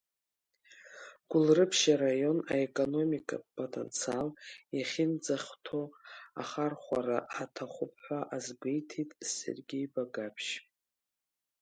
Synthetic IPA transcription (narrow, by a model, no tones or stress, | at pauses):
ɡ̥ʷʊlrɨpʰʃaɾajo̞naekʼo̞no̞mikʼapʰotʰʼḛnt͡sʰialjaχʲɪnd͡zaχʲtʰo̞a̰χarχʷaɾaħatʰaχʷʊpʰħʷaʔazɡʷejtʰitʼse̞̰rɡʲejbaɡapʰʃ